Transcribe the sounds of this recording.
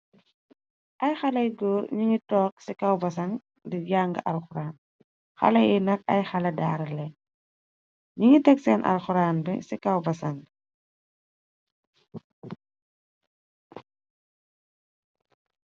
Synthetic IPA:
ʔɐjxɐlɐjɡoːɾɲiŋitɔːk̚sikɐwbɐsɐŋ | diɟaːŋɡɐ̰ʔɐlxuɾaːn | xɐ̰lɐjɛnɐkɐ̰jxɐlɐdaːɾlɛ | ɲiŋitɛksɛːnʔɐ̰lxuɾaːnbɛ̰sikɐwbɐsɐŋ

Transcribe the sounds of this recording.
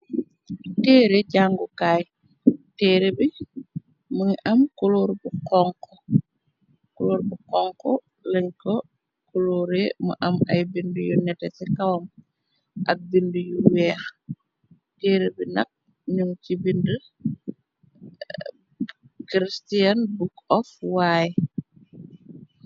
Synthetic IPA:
tɛːɾeɟaŋɡukaːj | tɛːɾebi | məŋʔɐmkuloːɾbukɔŋkɔ | kuloːɾbukɔŋkɔ | lɛɲkɔ | kuluːɾemṵʔɐmɐjbindujunɛtɛsikawam | ʔɐk̚bindujuwɛːx | teːɾebinɐ̰k̚ | ɲuŋkibində | kɾistijanbukɔfwaːjɛ

